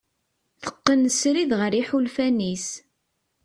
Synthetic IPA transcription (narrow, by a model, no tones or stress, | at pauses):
θə̥qːənsɾiðʁəɾiħulfænis